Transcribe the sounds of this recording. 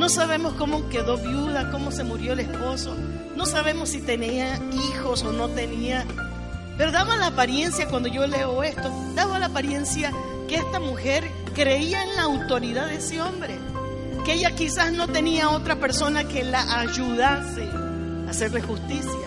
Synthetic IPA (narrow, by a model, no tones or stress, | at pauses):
no̞saβe̞mo̞sko̞mo̞ke̞ðo̞βjuðako̞mo̞semuɾjo̞ele̞spo̞so̞ | no̞saβe̞mo̞sːit̪e̞niaixo̞so̞no̞t̪e̞nia | pe̞ɾo̞ðaβalaːpaɾje̞nsjakwand̪o̞ʝo̞le̞o̞e̞st̪o̞ | d̪aβalaːpaɾje̞nsja | keest̪amuxe̞ɾ | kɾe̞iaenlaːwt̪o̞ɾiðaðeseo̞mbɾe | kee̞ʝakisasno̞t̪e̞niao̞t̪ɾape̞ɾso̞nake̞laʔaʝuðase | ase̞ɾle̞xust̪isja